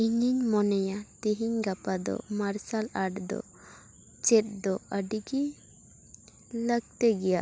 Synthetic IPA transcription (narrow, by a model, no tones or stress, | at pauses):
iɲiɲmɔnɛjat̪iɦiɲɡapad̪ɔ̰maɾsalaɖd̪ɔ̰ | t͡ʃɛt̪̚d̪ɔəɖiɡi | ləɡ̚t̪ɛɡɛjaʔ